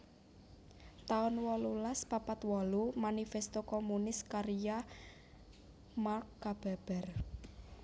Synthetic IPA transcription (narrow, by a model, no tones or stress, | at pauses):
t̪aɔnwɔlulaspapat̪wɔlumanifest̪okɔmunɪskaɾija | markːab̥ɛ̤b̥ɛ̤r